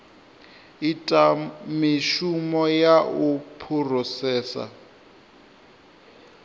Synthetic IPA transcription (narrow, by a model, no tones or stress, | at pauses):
itʼamiʃumɔjaupʰurɔsɛːsa̰